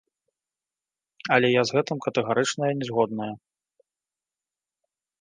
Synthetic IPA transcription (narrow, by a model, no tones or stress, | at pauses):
ɐlʲɛjazɣɛt̪ɨmkɐt̪ɛɣaɾɨt͡ʂnɐjɐnʲɛzɣɔd̪̚nɐjɐ